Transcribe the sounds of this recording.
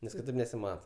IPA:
nʲɛs kʲɪˈtɐɪp nʲɛsʲɪˈmɑːtɐ

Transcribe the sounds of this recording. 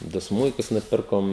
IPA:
ˈdʊ ˈsmʊɪkʊs nʊˈpʲɪrkoːm

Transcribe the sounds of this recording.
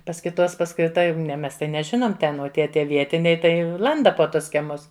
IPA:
pɐs kʲɪˈtoːs pɐs kɐɪ ˈtɐ nʲɛ ˈmʲɛs tɐɪ nʲɛˈʒʲɪnoːm ˈtʲɛn oː ˈtʲiɛ ˈtʲiɛ ˈʋʲiɛtʲɪnʲɛɪ tɐɪ ˈlˠɐndɐ poː ˈtʊs kʲiɛˈmʊs

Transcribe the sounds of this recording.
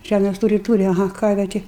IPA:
ˈʒʲæmʲeːs ˈtuːrʲɪ ˈtuːrʲɪ ɐˈɣɐ ˈkɐrʲʋʲɛ ˈtʲɪ

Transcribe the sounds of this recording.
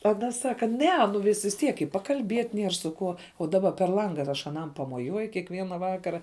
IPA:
ɐˈnɐ ˈsɑːkɐ ˈnʲɛ nʊ ʋʲɪs ʋʲɪs ˈtʲiɛk ɪ pɐkɐlʲˈbʲiɛtʲ ˈnʲiɛr sʊ ˈkuɔ oː ˈdɑːbɐ pʲɛr ˈlˠɐŋɡɐ ɐr ˈɐʃ ɐˈnɐm pɐmoːˈjuɔjʊ kʲiɛkˈʋʲiɛnɐ ˈʋɑːkɐrɐ

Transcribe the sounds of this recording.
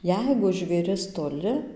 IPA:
ˈjɛɪɡʊ ʒʲʋʲeːˈrʲɪs toːˈlʲɪ

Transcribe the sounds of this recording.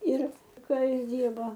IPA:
ˈɪr ˈkɐ ˈjɪs ˈdʲiːrboː

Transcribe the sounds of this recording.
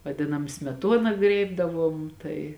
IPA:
ʋɐˈdʲɪnɐm sʲmʲɛˈtuɔnɐ ˈɡrʲeːɪbdɐʋuɔm ˈtɐɪ

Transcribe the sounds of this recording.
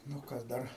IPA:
nʊ ˈkɐs ˈdɐr

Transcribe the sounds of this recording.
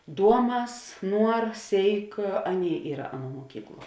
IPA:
ˈduɔˌmɐs ˈnuɔr ˈsʲeːɪk ˈɑːˌnʲeːɪ ˈiːrɐ ˈɑːˌnuɔ muɔˈkʲiːkˌlˠuɔ

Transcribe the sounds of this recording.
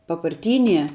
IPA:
pɐpɐrʲˈtʲiːnʲiɛ

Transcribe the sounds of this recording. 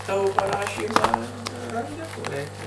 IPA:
ˈtɑːʋoː pɐˈrɑːʃʲiːmɑː ɪr rɐnʲˈdʲɪ koː ˈrʲɛɪkʲɛ

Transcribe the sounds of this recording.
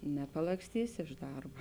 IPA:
nʲɛpɐlˠɐksʲˈtʲiːsʲɪ ɪʃ ˈdɐrbɐ

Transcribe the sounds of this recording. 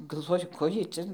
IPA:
ɡɐlˠˈʋoːjʊ ˈkoː ˈjiɛj ˈt͡sʲɛ

